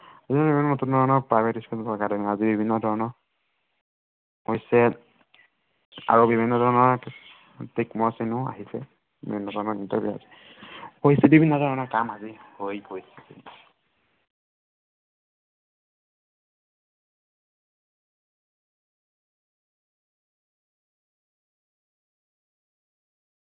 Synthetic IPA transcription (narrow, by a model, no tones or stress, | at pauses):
aziabibʱinːɔnotunːɔdʱɔɹnɔɹpɹajbetiskɔnpakadɛnɛazibibʱinːɔdʱɔɹnɔɹ | ɦojsɛ | a̰ɹubibʱinːɔdʱɔɹnɔɹ | tikmɔsinʊa̰ɦisɛ̰ | bḭbʱinːɔdʱɔɹnɔintabʱjua̰zi | pojsɛbibʱinːɔdʱɔɹnɔɹkamazihojpojsɛ̥kḭ